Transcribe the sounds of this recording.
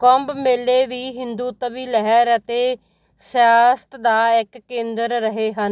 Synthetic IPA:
kɔmbmeːleːʋiːɦɪnd̪uːt̪əʋiːləɦəɾət̪eː | sjaːst̪d̪aːɪkːẽːnd̪əɾːəɦeːɦən

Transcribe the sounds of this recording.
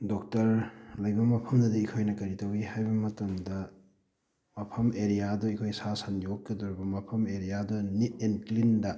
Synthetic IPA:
dɔk̚tɐɾlɐjbɐmɐpʰɐmdɐdiikʰojnɐkɐɾitɐwihajbɐmɐtɐmdɐ | mɐpʰɐmeɾijadɔikʰojsasɐnjokːɐdɔɾibɐmɐpʰɐmeɾijadɔnitenklindɐ

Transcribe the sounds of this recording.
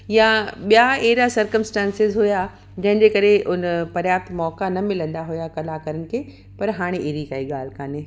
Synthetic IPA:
jãɓijaeːɾasɐɾkəmsʈɛ̃ːnsɪzɦʊja | d͡ʑɐ̃ɦɪ̃ɲd͡ʑekɐɾeʔʊnpɐɾjaːt̪mɔːkanɐmɪlə̃nd̪aɦʊjakɐlakɐɾənɪ̆kʰeː | pɐɾɦaːɽ̃eʔeːɾikaːiɠaːl̤kaːne

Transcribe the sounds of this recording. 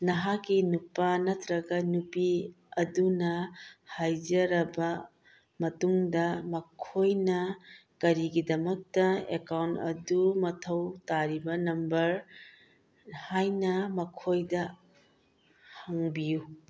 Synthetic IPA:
nɐɦakːinupɐnɐtɾɐɡɐnupi | ɐdunɐhajd͡ʒɐɾɐbɐ | mɐtuŋdɐmɐkʰojnɐkɐɾiɡidɐmɐk̚tɐḛkawntɐ̰dumɐtʰɐwtaɾibɐnɐmbɐɾ | hajnɐmɐkʰojdɐ | hɐŋbiju

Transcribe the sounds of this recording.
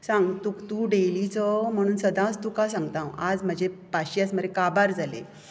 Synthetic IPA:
sãŋɡt̪ut̪uɖelit͡sɔm̤əɽ̃uːnsəd̪ãt͡st̪ukasãŋɡt̪ãwad͡zm̤əd͡ʑepaɕiat͡sm̤əɾekabaɾd͡zʱalḛ

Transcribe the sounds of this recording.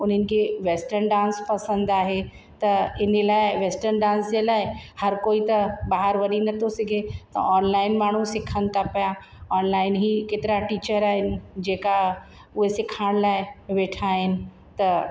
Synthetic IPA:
ʊn̤ənɪ̆kʰeʋeːsʈəɾnɖãːnspɐsə̃nd̪aːɦe | t̪ɐɪnəlaːɪʋeːsʈəɾnɖãːnsd͡ʑelaːɪhɐɾkoːit̪ɐbaːɦəɾʋɐɗinɐt̪ʰosɪɡʱet̪ɐ̰aːnlaːɪnmaːɳ̤usɪkʰə̃nt̪ʰapɐja | ɔːnlaːɪnɦiːkeːt̪ɪɾaʈiːt͡ɕəɾaːɦɪnɪ̆d͡ʑeːka | ʊɦesɪkʰaːɽ̃laːɪʋeːʈʰaːɦɪnɪ̆ | t̪ɐ

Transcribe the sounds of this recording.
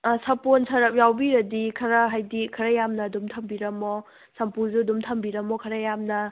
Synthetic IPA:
sɐponsɐɾɐp̚jawbiɾɐdikʰɐɾɐɦajdikʰɐɾɐjamnɐːdumtʰɐmbiɾɐmo | sɐmpuzudumtʰɐmbiɾɐmokʰɐɾɐjamnɐ

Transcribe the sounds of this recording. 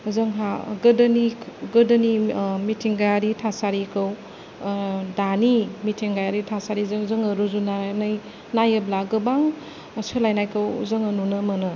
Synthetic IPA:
zɯŋɦaɡɯdəniɡɯdɐnimitʰiŋɡajaɾitʰasaɾikʰɯw | danimitʰiŋɡajaɾitʰasaɾizɯŋzɯŋɐɾuzunanaj | najəblaɡɯbaŋ | sɯlajnajkʰɯwzɯŋɐnunɯmɯnɯ

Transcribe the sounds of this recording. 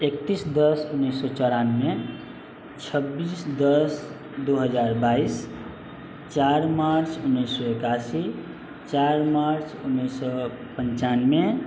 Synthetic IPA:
ekt̪isd̪əsunːəsːɔt͡ʃɔɾanme | t͡ʃʰəbisd̪əs | d̪uɦəd͡ʒaɾbais | t͡ʃaɾmaɾt͡ʃʰunːəɪsːɔekasi | t͡ʃaɾmaɾt͡ʃʰunːəsːɔ | pənt͡ʃanme

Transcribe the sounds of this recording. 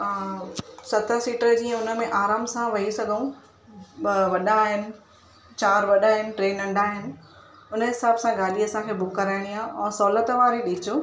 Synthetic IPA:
sɐt̪ʰəsiːʈəɾəd͡ʑiːə̃ʊnə̆mẽʔaːɾaːmsãʋɐisɐɡʱũ | ʋɐɗaːɦɪnɪ̆ | t͡ɕaːɾʋɐɗaːɦɪnɪ̆ʈɾeːnːɐ̃ɳɖʱaːɦɪnɪ̆ | ʊnəɦɪsaːbsãɡaːliɐsãkʰeːbʊkːɐɾaːɪɽ̃iaːɦɛ̃ːsɔːlət̪ʋaːɾiɗɪt͡ɕʊ

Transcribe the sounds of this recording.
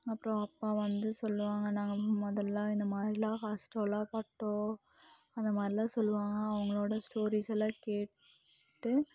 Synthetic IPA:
ɐpːɯɾõɐpːaːʋɐnd̪ɯsɔlːɯʋaːŋɡɐnãːŋɡɐmɔðɐlːãːɪnd̪ɐmaːd̪ɾɪlãːkaːsʈoːlaːpɐʈːõː | ɐnd̪ɐmaːd̪ɾɪlãːsɔlːɯʋaːŋɡɐːʋɐŋɡɐɭoːɽɐsʈoːɾiːsɛlãːkeː | ʈːɯ

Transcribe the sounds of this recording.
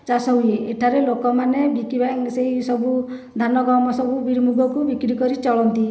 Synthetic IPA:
t͡ʃasɔɦujeeʈʰaɾelokɔmanebikibaŋseisɔbu | d̪ʱanɔɡawmɔsɔbubiɾmuɡʱɔkubikɾikɔɾit͡ʃɔɭɔnt̪i

